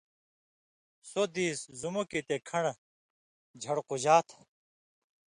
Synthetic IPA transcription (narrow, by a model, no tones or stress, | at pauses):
sod̪iːszumokit̪ekʰɐɳ | d͡ʑʱɐɽqud͡ʑaːt̪ʰ